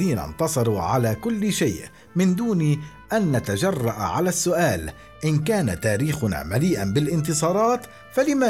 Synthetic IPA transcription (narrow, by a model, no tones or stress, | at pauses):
iːna̰nt̪ɑsˤɑɾˤuːʕalaːkʊlːʃajʔ | mɪnd̪uːniː | ʔanːat̪ad͡ʒɑrˤːɑʔaʕalaːsːʊʔaːl | ʔɪnkaːnat̪aːɾiːxʊna̰ːmaliːʔanbɪlʔɪnt̪ɨsˤɑːɾˤɑːt̪ | falɪma